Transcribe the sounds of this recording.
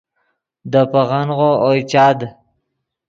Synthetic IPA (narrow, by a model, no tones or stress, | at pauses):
d̪əpaɣanʁoojt͡ʃɑd̪